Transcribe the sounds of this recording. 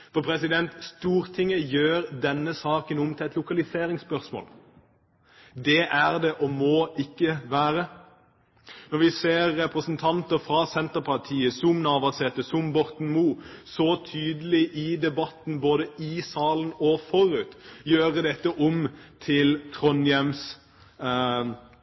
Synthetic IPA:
fɔʁpʰɾɛsɪd̪ɛnt̪st̪uːɾt̪ʰɪŋəjøːɾd̪ɛnːəsɑːkənɔmt̪ʰɪlɛt̪lʊkɑlɪseːɾɪŋspœʁsmo̰ːl | d̪ɛʔæʁd̪ɛʔɔmoːɪkːəʋæːʁə | nɔɾʋɪseːʁːɛpɾəsənt̪ʰɑnt̪əɾfɾɑsɛnt̪əpʰɑʁt̪ʰiːəsʊmnɑːʋɑsɛt̪əsʊmbɔʁt̪n̩muːsɔt̪ʰyːd̪əlɪʔɪd̪ɛbɑt̪n̩boːd̪əɪsɑːlənɔfɔɾʉːt̪jøːʁəd̪ɛt̪ːəʔɔmt̪ʰɪlt̪ʰʁɔnjɛms

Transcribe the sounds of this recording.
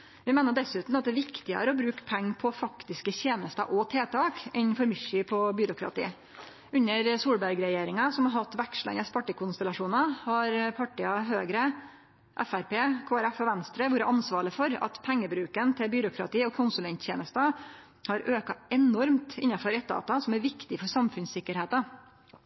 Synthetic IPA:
ʋɪmeːnəɖɛsʉːt̪n̩ɑt̪̚d̪ɛʋɪkt̪ɪə̰ɾɔbɾʉːkpʰɛŋːpʰɔfɑkt̪ɪskəçeːnəst̪ɑ̰ʔɔt̪ʰeːt̪ʰɑːkɪnfɔɾmʏʂiːpʰɔbyɾʊkɾɑ̰t̪ḭː | ʉɲːəɾsuːlbæɾɡɾɛjeːɾɪŋɑsɔmhɑɾɦɑt̪ːʋækʂɭɛ̰nəspɑʈːɪkʰʊnst̪ɛlɑʂuːnɑhɑɾpʰɑʈɪɑɦøːɡɾə | ʔɛfæɾpeːkʰoːæɾæfɔʋɛnst̪ɾəʋʊːɾəʔɑnsʋɑːɭəfɔɾɑ̰t̪pʰɛŋːəbɾʉːkənt̪ʰɪlbyːɾʊkɾɑ̰t̪iːɔkʰʊnsʉlɛnt̪çeːnəst̪ɑ | hɑɾøːkɑɛnɔɾmt̪ɪnːɑfɔɾɛt̪̚d̪ɑ̰ːt̪ɑsɔmæɾʋɪkt̪ɪfɔɾʂɑmfʉnsɪkːəɾheːt̪ɑ

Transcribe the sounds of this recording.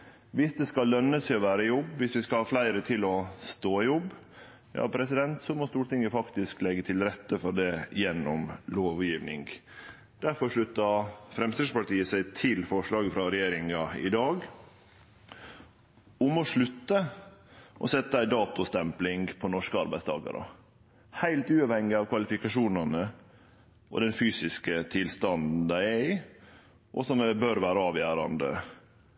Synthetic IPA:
ʋɪsd̪ɛskɑlːœnːəsʰɪɔʋæːɾəjɔbːʋɪsʋɪskɑlhɑːflæɪɾət̪ʰɪlɔst̪oːjɔbː | jɑ̰ːpʰɾɛsɪd̪ɛnt̪sɔmɔst̪uːɾʈɪŋːəfɑkt̪ɪsklɛɡːət̪ʰɪlɾɛt̪ːəfɔɖɛjɛnːɔmloːʋjiːʋnɪ̰ŋɡ | d̪̥æɾfɔɾʂɭʉt̪ːəfɾɛmst̪ɛspɑʈiːəsæɪt̪ʰɪlfɔʂɭɑːɡəfɾɑɾɛjeːɾɪŋɑɪ̰d̪ɑːɡ | ʊmɔʂɭʉt̪ːə | ʔɔsɛt̪ːəæɪd̪ɑːt̪ʊst̪ɛmplɪŋɡpʰɔnɔʂkəɑɾbæɪst̪ʰɑ̰ːɡɑ̰ɾə̰ | hæɪlt̪ʉːɑʋhɛŋːɪɑʋkʰʋɑlɪfɪkɑʂuːnɑnə | ʔɔ̰d̪ɛnfyːsɪskət̪ʰɪlst̪ɑnd̪d̪n̩d̪æɪæɪ | ʔɔ̰sɔmɛbøɾʋæːɾəɑːʋjæːɾɑ̰nd̪ə̰

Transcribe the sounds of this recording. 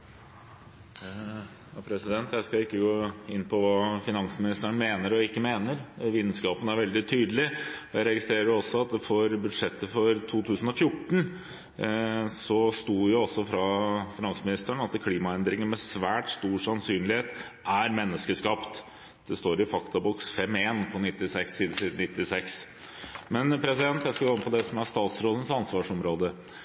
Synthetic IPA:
jɑpʰɾɛsɪd̪ɛnt̪jæɪskɑlɪkːəɡoːɪnːpʰɔʋɑːfɪnɑnsmɪnɪst̪əɳ̩meːnəɾɔɪkːəmeːnəɾʋiːd̪n̩skɑːpənæɾʋɛld̪ɪt̪ʰyːd̪əlɪɔjæɪɾɛɡɪst̪ɾeːɾəɾjʊɔsːɔɑt̪̚d̪ɛfoːɾbʉd̪ʂɛt̪ːəfɔɾt̪ʰuːt̪ʰʉːsən̩ɔfjʊʈːɳ̩ | sɔst̪uːjʊɔsːɔfɾɑfɪnɑnsəmɪnɪst̪əɳɑt̪kʰliːmɑɛnd̪ɾɪŋənmɛsʋæːʈst̪uːsɑnsyːnlɪheːt̪ʔæɾmɛnːəskəskɑpt̪ | d̪̥ɛst̪oːɾɪfɑkt̪ɑbɔksfɛmeːnpʰɔnɪt̪ːɪsɛksːiːd̪əsiːd̪ən̩ːɪt̪ːɪsɛks | mɛnpʰɾɛsɪd̪ɛnt̪jæɪskɑɡoːɪnəpʰɔd̪ɛsɔmæst̪ɑːt̪sɾoːd̪ən̩sɑnsʋɑːʂɔmɾoːd̪ə

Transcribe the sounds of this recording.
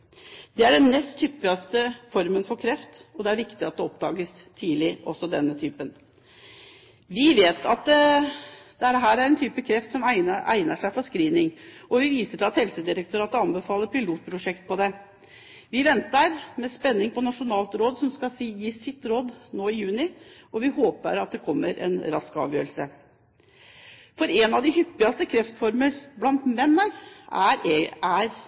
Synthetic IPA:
d̪̥ɛæɖɛnmɛst̪ʰːʏpːɪɑst̪əfɔɾmənfɔɾkʰɾɛft̪ɔd̪ɛæɾʋɪkt̪ɪɑt̪̚d̪ɛɔpd̪ɑ̰ːɡəst̪ʰiːlɪʔɔsːɔd̪ɛ̰nːət̪ʰyːpən | ʋɪʋeːt̪ʰɑt̪ | d̪̥ɛɦæːɾæɾɛnt̪ʰyːpəkʰɾɛft̪sɔmæɪəʔæ̰ɪnəʂæɪfɔskɾiːnɪŋɔʋɪʋiːsəʈʰɪlɑt̪hɛlsəd̪ɪɾək̚t̪ʊɾɑːt̪əɑnbəfɑːləɾpʰɪluːt̪̚pʰɾʊʂɛkt̪̚pʰɔd̪ɛ | ʋɪʋɛnt̪əɾmɛspɛnːɪŋpʰɔnɑʂʊnɑːlt̪ɾoːd̪sɔmskɑsijiːsɪt̪ːɾoːd̪noːɪjʉːnɪɔʋɪhoːpə̰ɾɑt̪̚d̪ɛkʰɔmːəɾɛ̰nɾɑskɑ̰ːʋjøːɾəl̩sə | fɔɾɛnɑd̪ɪɦʏpːɪɑst̪əkʰɾɛft̪fɔɾməɾblɑnt̪mɛnːəɾæɾæɾ

